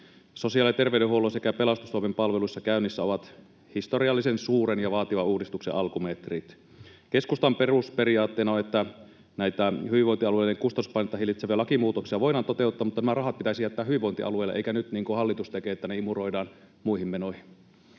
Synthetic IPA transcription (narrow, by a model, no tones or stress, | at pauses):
sosiɑlːet̪erʋeyɾeɦuolosekæpelɑst̪ust̪uomempɑlʋelusːɑkæynːisːæoʋɑt̪ | hist̪oriɑlːisensuːɾenjɑʋɑːt̪iʋɑuːdist̪uksḛʔɑlkumet̪rit̪ | ke̞skust̪ɑmperuspeɾiɑːt̪ːeːnɑonet̪ːæ | næit̪æhyʋiʋoint̪iɑlueileŋkust̪ɑuspɑinet̪ːɑɦilːˑit̪seʋælɑkimuːt̪oksiɑʋo̞inɑːnt̪ot̪e̞ut̪ːɑːmut̪ːɑnæmærɑɦɑt̪̚pit̪æisijæt̪ːæːhyʋiʋo̞int̪iʔɑ̰luelːeʔeikænyt̪niːŋkuhɑlːit̪ust̪ekeːet̪ːæneimuro̞idɑːn | muihimːenohi